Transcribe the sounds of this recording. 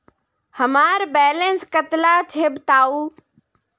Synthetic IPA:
həmaːɾbɛːlẽnskət̪lat͡ɕʰeːbt̪aːuː

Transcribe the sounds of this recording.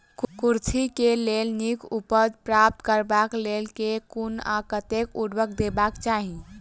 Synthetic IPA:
kuɾt͡ʃʰikelelnikupəd͡ʒpɾap̚t̪kəɾbaklelkekuna̰kət̪ekuɽbəkd̪ebakt͡ʃaɦi

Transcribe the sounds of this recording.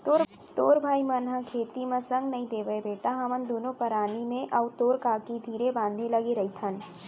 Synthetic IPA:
t̪oːɾ | t̪oːɾbʱaːimɐnɦãkʰeːt̪imɐ̃sɐ̃ŋɡnɐɦĩd̪eːʋəebeːʈaɦɐmənd̪oːnõpɐɾaːnimẽʔɐʊt̪oːɾkaːkid̪ʱiːɾebãːnd̪ʱẽlɐɡeɾɐit̪ʰɐn

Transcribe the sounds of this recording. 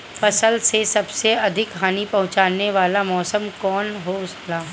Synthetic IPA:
fɐsəlsesɐbseɐd̪ʱɪkɦaːnipɐɦʊ̃t͡ʃaːneʋaːlamɔːsəmkɔːnɦoslaː

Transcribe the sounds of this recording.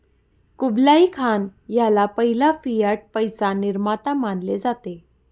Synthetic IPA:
kublaikʰanjalapəɦilafijəʈ̚pəjsaniɾmat̪amaɳɖled͡zat̪e

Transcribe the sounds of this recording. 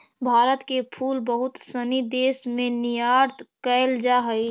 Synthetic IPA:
bʱaːɾət̪kepʰuːlbəɦʊt̪sənid̪eːsmẽnijaːɾt̪kəɪld͡ʒaɦəi

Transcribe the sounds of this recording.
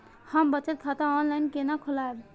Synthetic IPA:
həmbət͡ʃət̪̚kʰat̪aɔnlajnkenakʰʊlaeb

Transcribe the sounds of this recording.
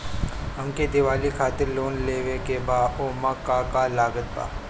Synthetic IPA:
ɦɐmked̪ɪʋaːlikʰaːt̪ɪɾloːnleːʋekebaːoːmakːakalaːɡət̪̚ba̰ː

